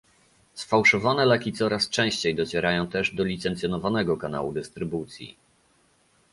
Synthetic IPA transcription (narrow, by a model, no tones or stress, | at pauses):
sfawʂɔvanɛlɛkʲit̪sɔɾast͡ʂɛ̃w̃ɕt͡ɕejd̪ɔt͡ɕɛɾajɔ̃w̃t̪ɛʐd̪ɔlʲit̪sɛnt̪sjɔnɔvanɛɡɔkana̰wud̪ɘst̪ɾɘbut̪sʲjḭ